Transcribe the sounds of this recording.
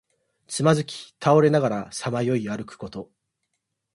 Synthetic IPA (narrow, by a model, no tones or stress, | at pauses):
t͡sɨmazɨkʲi̥t̪ʰao̞ɾe̞naɡaɾasamajo̞iaɾɯ̟kɯ̟̥ko̞t̪o̞